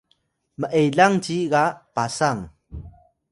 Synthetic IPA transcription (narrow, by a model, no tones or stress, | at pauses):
məʔejɮaŋt͡ɕiɣapasaŋ